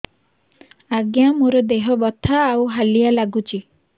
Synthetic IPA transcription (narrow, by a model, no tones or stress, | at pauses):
aɡjamoɾɔd̪eɦɔbɔt̪ʰaːwɦalijalaɡut͡ʃi